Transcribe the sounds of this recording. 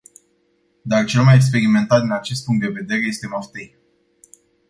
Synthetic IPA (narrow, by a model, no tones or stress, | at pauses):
d̪art͡ʃe̞lmajeks̬pe̞ɾime̞nt̪at̪̚d̪inat͡ʃe̞s̬t̪̚puŋkt̪d̪e̞ve̞d̪e̞ɾe̞je̞st̪e̞moft̪ej